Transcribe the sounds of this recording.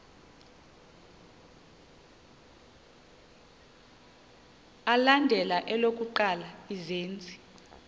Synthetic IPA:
alandʱɛlaʔɛlok̬ʼuǃalaizeːnt͡sʼi̥

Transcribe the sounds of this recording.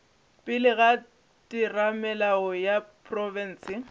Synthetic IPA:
pʼɪlɪɣa | tʼɪramɛlaɔjapʰʼrɔvɛn̩ːsɪ

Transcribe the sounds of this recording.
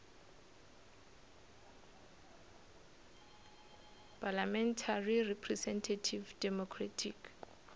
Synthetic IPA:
pʰalamɛntʰarirɛpʰrɛsɛntʰatʰivdɛmɔkʰratʰik

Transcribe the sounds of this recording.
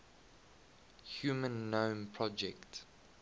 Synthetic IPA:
hjuːmə̃nːõːmpʰɹɔd͡ʒɛkt

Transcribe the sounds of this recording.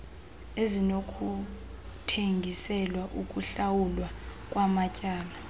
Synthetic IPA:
ezinokʰu | tʰeŋɡʱisɛlwaʔukʼuɬawulwakʼwamacʼaːla

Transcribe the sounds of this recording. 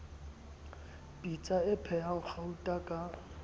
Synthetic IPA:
pʼit͡sʼaɪpʰɛaʊχautʼakʼa

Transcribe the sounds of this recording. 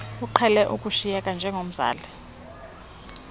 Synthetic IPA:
uǃʰɛlɛʔukʼuʃijɛkʼand͡ʒʱɛŋʱom̩za̰ːlɛ

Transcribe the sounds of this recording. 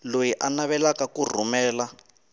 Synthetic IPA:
lojiʔanaβɛlakakur̤umɛːla

